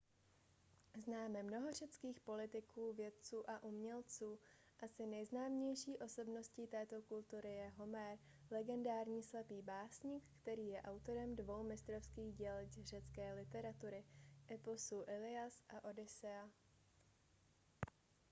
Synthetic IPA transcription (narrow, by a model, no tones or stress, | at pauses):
znaːmɛmno̞ɦo̞r̝ɛt͡skiːxpo̞lɪt̪ɪkuːvjɛt̪̚t͡suːʔaʔumɲɛlt͡suː | ʔasɪnɛjznaːmɲɛjʃiːʔo̞so̞bno̞scit̪ɛːt̪o̞kult̪uɾɪjɛɦo̞mɛɾ | lɛɡɛndaːɾɲiːslapiːbaːsɲikːt̪ɛɾiːjɛʔawt̪o̞ɾɛmdvo̞wmɪst̪ɾofskiːɣɟɛlcr̝ɛt͡skɛːlɪt̪ɛɾat̪uɾɪʔɛposuːʔɪlɪasʔaʔo̞dɪsɛa